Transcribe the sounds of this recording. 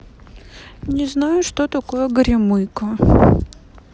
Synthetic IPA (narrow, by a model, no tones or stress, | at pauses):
nʲɪznajʊʂt̪ot̪ɐko̞jəɡɾʲɪmɨjkə